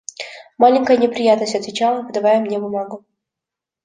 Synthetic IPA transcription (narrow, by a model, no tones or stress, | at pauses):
malʲɪŋʲkəjənʲɪpɾʲɪjat̪nəsʲtʲɐt̪vʲɪt͡ɕalˠəpəd̪ɐvajʊmnʲe̞bʊmaɡʊ